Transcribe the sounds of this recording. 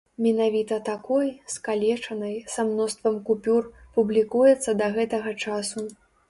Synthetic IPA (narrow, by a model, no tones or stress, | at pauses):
mʲinavʲit̪ɐt̪akɔjskalʲɛt͡ʂɐnɐjsamnɔst̪vɐmkupʲurpublʲikujɛt̪sːɐd̪ɐɣɛt̪ɐɣɐt͡ʂasu